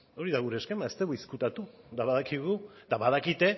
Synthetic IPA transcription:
o̞ɾiðaɣuɾe̞ːskemaest̪eɣuiskut̪at̪ud̪aβaðakiɣud̪aβaðakit̪e̞

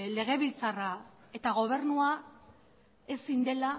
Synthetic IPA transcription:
le̞ɣ̞e̞β̞ilt͡sara | e̞t̪aɣ̞o̞β̞e̞ɾnua | e̞sind̪e̞la

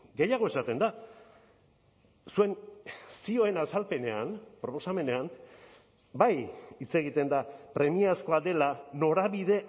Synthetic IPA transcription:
ɡe̞jaɣ̞o̞e̞sat̪e̞nd̪a | sue̞nsio̞e̞nasalpe̞ne̞anpɾo̞po̞same̞ne̞am | bajit͡se̞ɣ̞it̪e̞nd̪apɾe̞miasko̞ad̪e̞lano̞ɾaβiðe̞

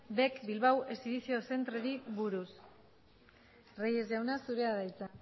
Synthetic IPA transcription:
be̞kbilβawe̞siβiθio̞se̞nt̪ɾeɾiβuɾus | reje̞zʝawnasuɾe̞aðajt͡sa

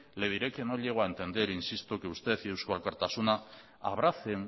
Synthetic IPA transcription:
le̞ð̞iɾeke̞no̞ʎe̞ɣ̞oaent̪e̞nd̪e̞ɾinsist̪oke̞ust̪e̞θjewskoalkaɾt̪asuna | a̰β̞ɾaθeŋ

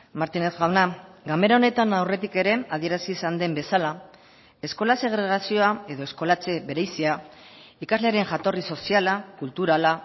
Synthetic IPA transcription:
maɾt̪ine̞θɣawnaɡame̞ɾao̞ne̞t̪anawre̞t̪ike̞ɾe̞að̞ie̞ɾasiːsand̪e̞mbe̞sala | e̞sko̞lase̞ɣ̞ɾe̞ɣ̞asio̞ae̞ðo̞e̞sko̞lat͡se̞βe̞ɾejsiaikazleaɾe̞ŋʝat̪o̞riso̞sialakult̪uɾala

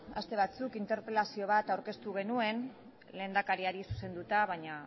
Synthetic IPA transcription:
ast̪e̞β̞at͡sukint̪e̞ɾpelasio̞β̞at̪awɾke̞st̪uɣ̞e̞nue̞n | le̞ːnd̪akaɾiaɾisu̥se̞nd̪ut̪aβajɲa

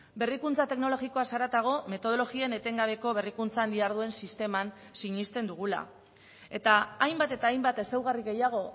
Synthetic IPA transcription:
be̞rikunt͡sat̪e̞kno̞lo̞ɣiko̞asaɾat̪aɣ̞o̞me̞t̪o̞ð̞o̞lo̞ɣie̞ne̞t̪e̞ŋɡaβ̞e̞ko̞βe̞rikunt͡saːnd̪iaɾð̞ue̞nsist̪e̞man | siɲist̪e̞nd̪uɣ̞ula̰ | e̞t̪aːjmbat̪e̞t̪aːjmbat̪e̞sewɣariɣe̞jaɣ̞o̞

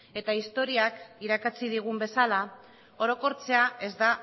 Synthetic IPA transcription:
e̞t̪aist̪o̞ɾiakiɾakat͡sið̞iɣ̞umbe̞sala | o̞ɾo̞ko̞ɾt͡se̞ae̞zd̪a

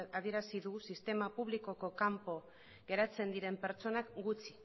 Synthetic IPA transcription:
að̞ie̞ɾasiðusist̪e̞mapuβliko̞ko̞kampo̞ | ɡ̥e̞ɾat͡se̞nd̪iɾe̞mpe̞ɾt͡so̞nakɡut͡si̥

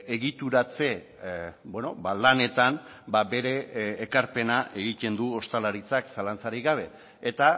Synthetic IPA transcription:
eɣit̪uɾat͡se̞ | bwe̞no̞balane̞t̪an | babe̞ɾe̞ːkaɾpe̞naʔe̞ɣ̞it̪e̞nd̪uo̞st̪alaɾit͡saksalant͡saɾiɣaβ̞e̞ː | t̪a

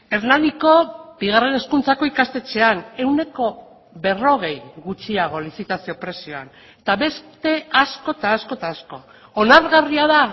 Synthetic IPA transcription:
eɾnand̪iko̞biɣ̞are̞ne̞skunt͡sako̞ikast̪e̞t͡se̞ane̞wne̞ko̞ | βe̞ro̞ɣ̞e̞jɣut͡ʃiaɣ̞o̞lisit̪asio̞pɾe̞sio̞a̰n | et̪aβe̞st̪e̞asko̞t̪aːsko̞t̪aːsko̞ | onaɾɣariaða

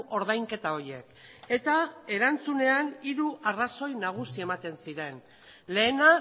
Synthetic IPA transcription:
ʔo̞ɾðajŋke̞t̪ao̞ɾje̞ke̞t̪ae̞ɾant͡sune̞aniɾuʔaraso̞jnaɣ̞usie̞mat̪e̞nsiɾe̞n | le̞ːna

